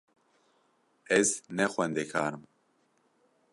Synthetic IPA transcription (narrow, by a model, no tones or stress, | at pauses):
ɛznɛxʷwɛnd̪ekʰaːɾɨm